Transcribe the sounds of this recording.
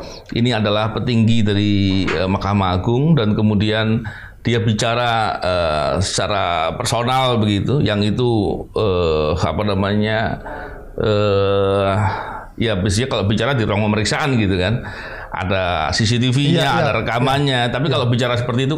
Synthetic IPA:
ʔḭniadalahpət̪iŋɡidaɾiəmakamaːɡʊŋdankəmudian | d̥iabit͡ʃaɾaəsə̥t͡ʃaɾa̰pərsonalbəɡit̪ujaŋit̪uəa̰panamaɲa | ə | jabis̬iɲakalobit͡ʃaɾadiɾuaŋməməɾiksaʔanɡit̪ukan | ʔa̰dasis̬it̪ifiɲaadaɾəkamaɲat̪apikalobit͡ʃaɾasəpərt̪iːt̪u

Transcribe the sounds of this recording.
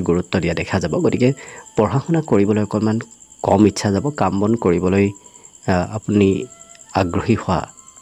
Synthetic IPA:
ɡuɹutːɔdijadɛkʰazabɔɡotikɛpɔɹɦaxɔnakoɹibɔlojɔkɔlmankɔmitːsʰazabɔkambɔnkoɹibɔloj | apuniaɡɹoɦihʊwa̰

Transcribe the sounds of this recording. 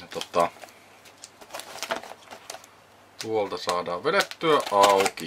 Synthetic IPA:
t̪ot̪ːɑ | huolt̪ɑsɑːdɑːʋʋedet̪ːyæʔɑuki

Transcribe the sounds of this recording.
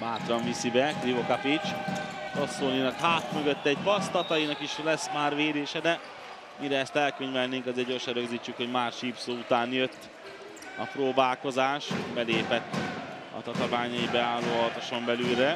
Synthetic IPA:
baːt̪rɒɱvisibɛklivokapit͡ʃposoːninɒkhaːt̪møɡøt̪ːɛɟ̚pɒst̪ɒt̪ɒjinɒkiʃlɛsmaːrʋeːd̪eːʃɛd̪ɛ | miɾɛɛst̪ɛlkøɲvɛlneːŋkɒzeːrɟo̞rʃɛnɾøɡziːt͡ʃːykho̞ɟmaːrʃiːpsoːut̪aːnjø̞t̪ː | ɒ̰proːbaːlko̞zaːʃbɛleːpɛt̪ː | ɒ̰t̪ɒt̪ovaːɲɒjibɛaːlːoːɒlt̪oʃo̞mbɛlyːlɾɛ

